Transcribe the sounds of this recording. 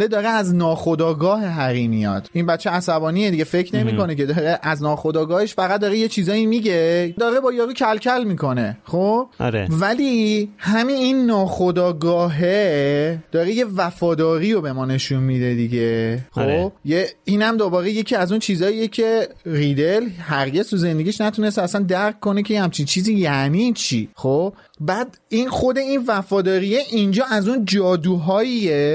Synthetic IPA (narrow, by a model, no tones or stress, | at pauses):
led̪ɒːɾeæznɒːxod̪ɒːɡɒːɦeɦæɾimijɒ̰ːd̪̥inbæt̪t͡ʃːʃeæsæbɒːnied̪iɟefe̞cʰne̞miːko̞nece̞d̪ɒɾeʔæznɒːxo̞d̪ɒːɡɒːheʃfæɣæt̪̚d̪ɒːɾeje̞t͡ʃʰiːzɒːimiːɟe̞d̪ɒːɾe̞bɒːjɒːɾuːcʰælcʰælmiːko̞ne̞xoːb̰ɾḛvælihæmininːɒːxod̪ɒːɡɒːɦed̪̥ɒːɾeje̞væfɒːd̪ɒːɾiːɾobe̞mɒːne̞ʃunmid̪e̞d̪iɟexobjeiːnæmd̪obɒːɾe̞je̞cʰiːæzunt͡ʃʰiːzɒːiːjecʰe̞ɾid̪elhæɾɟe̞zt̪ʰuze̞nd̪e̞ɡiʃnæt̪ʰune̞st̪æsænd̪æɾkʰkːo̞necʰejehæmt͡ʃʰint͡ʃʰiːziːjænit͡ʃʰḭxob̥̚ | bæːd̪ | inxo̞d̪e̞iːnvæfɒːd̪ɒːɾijeʔind͡ʒɒːæzund͡ʒɒːd̪uːɦɒːije